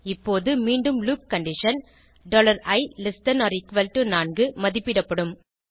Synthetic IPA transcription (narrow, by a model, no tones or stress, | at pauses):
ɪpːoːðɯmiːɳɖɯmluːp̚kɐɳɖɪʂɐn | ɖoːlɐɾɐɪlɪsʈɐnɔːɾɪkʋɐlʈɯnaːnɡɯmɐðɪpːɪɽɐpːɐɽɯm